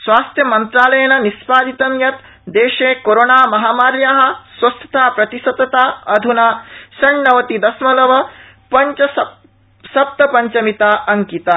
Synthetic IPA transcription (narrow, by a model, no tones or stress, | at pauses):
sʋaːst̪ʰjɐmɐnt̪ɾaːlɐjɐnɐnispaːd̪it̪ɐmjɐt̪ | d̪eːʃeːkoɾonaːmɐɦaːmaːɾjaːɦɐ̆sʋɐst̪ʰɐ̥t̪ʰaːpɾɐt̪isɐt̪ɐt̪aːɐd̪ʱunaːsɐɳːɐʋɐt̪id̪ɐsmɐlɐʋɐ | pɐɲt͡ʃɐ | sɐp̚t̪ɐpɐɲt͡ʃɐmit̪aːʔɐŋkit̪aː